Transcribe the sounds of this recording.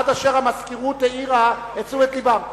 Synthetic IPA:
taʃeʁhamaskiʁuteiʁa | het͡suetlibam

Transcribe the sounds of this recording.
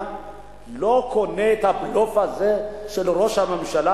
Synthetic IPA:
lɔkʰɔnɛtʰablɔfazɛʃɛlɔɾɔʃamamiʃala

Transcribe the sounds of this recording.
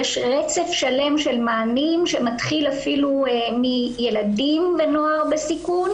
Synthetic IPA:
jeʃʁet͡se̞fʃale̞mʃe̞lmaːnimʃemat̪χilafilumije̞ladimvenoaʁbesikun

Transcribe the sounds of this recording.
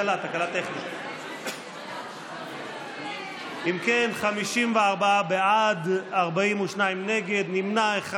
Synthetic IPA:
lat̪akalat̪ːeχnit | ʔimkenχamiʃimveaʁbaabead̪aʁbaimuʃnaimne̞ɡe̞d̪nimnaeχa

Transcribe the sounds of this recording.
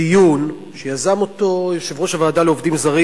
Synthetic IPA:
ijun | ʃejazamo̞to̞ʃevʁoʃavaːdaleovdimzaʁi

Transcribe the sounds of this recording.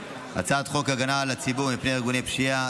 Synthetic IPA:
ha̰t͡sad̪χo̞khaɡanalat͡sibumipnehaɡunepʃia

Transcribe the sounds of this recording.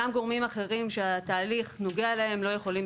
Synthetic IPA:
amɡo̞ʁmimaχe̞ʁimʃeat̪aːliχno̞ɡealae̞mlo̞jeχo̞lim

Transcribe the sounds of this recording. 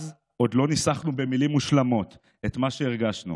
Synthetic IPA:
z | ʔo̞d̪lo̞nisaχnube̞milimːuʃlamo̞t̪ | et̪maʃe̞iʁɡaʃnṵ

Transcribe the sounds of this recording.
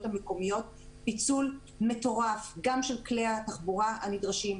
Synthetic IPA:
thameko̞mijo̞t̚ | pit͡sul | me̞to̞ʁafɡamʃelkleataχbuʁaanidʁaʃim

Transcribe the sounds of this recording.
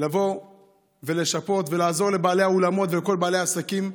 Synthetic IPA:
lavo̞ | ve̞le̞ʃapo̞t̪ve̞laːzo̞ʁle̞baːle̞jaolamo̞t̪veeko̞lbaːle̞jaːsakim

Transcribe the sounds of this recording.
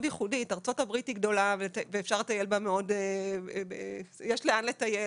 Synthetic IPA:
djiχuditaʁt͡so̞thabʁitiɡdo̞lavelveːfʃaʁlet̪ajelbameo̞d | jeʃleanletaje

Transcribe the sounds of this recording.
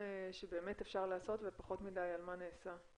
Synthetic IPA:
ʃebe̞ːme̞tefʃaʁlaːso̞tvepaχo̞tmidajalmaneːsa

